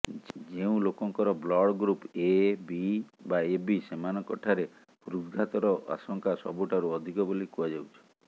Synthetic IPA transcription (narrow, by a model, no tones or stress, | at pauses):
d͡ʒeũlokɔŋkɔɾɔblɔɽɡɾupebibaebisemanɔkɔʈʰaɾe | puɾud̪ɡʱat̪ɔɾɔa̰sɔŋkasɔbuʈaɾuɔd̪ʱikɔbolikuad͡ʒawt͡ʃʰɔ̥